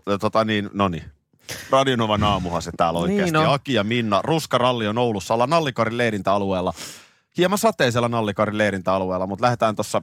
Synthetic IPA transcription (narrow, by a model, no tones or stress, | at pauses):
t̪ot̪ɑniːnnoni | rɑdionoʋɑnɑːmuhɑset̪æːloikːeːsnɑkiɑminːɑruskɑrɑlːionoulusːɑolːɑnɑlːikɑɾileiɾint̪æɑlueːlːɑ | hiemɑnsɑt̪ˑeːsielːænɑlːikɑrilleiɾint̪æɑlueːlːˑɑmut̪læhet̪æːnt̪osːɑ